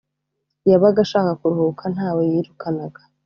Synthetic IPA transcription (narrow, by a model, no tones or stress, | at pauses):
jaβaɡaʃaːkakuɾuhukʰan̥haːwejiɾukʰanaɡḁ